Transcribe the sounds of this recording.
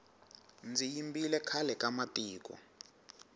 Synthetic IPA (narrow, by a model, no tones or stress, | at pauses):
nd͡zijimbilɛkʰalɛkamatʼiːk̬ʼɔ̰